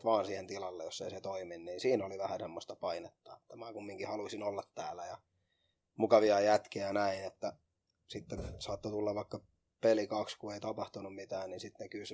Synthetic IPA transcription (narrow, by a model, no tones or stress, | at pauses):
t̪ʋɑːnsiːhent̪ilɑlːejjosːḛiset̪oiminniːnsiːnoliʋæhæsemːost̪ɑpɑinet̪ːɑ̰et̪ːæmæːkumːiŋkihɑluisinolːɑt̪tæːlːˑæjɑ | mukɑʋiɑjæt̪kiænæinet̪ːæ | sit̪ːensɑːt̪ːot̪ulːɑʋʋɑikːɑ | pelikɑkskueit̪ɑpɑht̪unummit̪æːnninsit̪nekysy